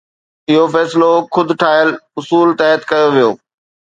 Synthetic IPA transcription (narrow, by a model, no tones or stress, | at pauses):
ɪɦofɛːsɪloxʊd̪ʱʈʰaːɪəlʊsuːlt̪aːət̪kɐjoʋijoː